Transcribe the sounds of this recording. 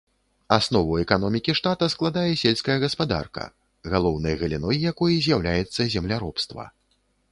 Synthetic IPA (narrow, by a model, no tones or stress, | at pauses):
asnɔvɐwɛkanɔmʲikʲiʂt̪at̪ɐsklˠad̪ajɛsʲelʲskɐjɐɣɐspad̪a̰rkɐ̰ | ɣalˠɔwnɐjɣɐlʲinɔjjakɔjɐzʲjawlʲajɛt̪sːɐzʲɛmlʲaɾɔpst̪vɐ̰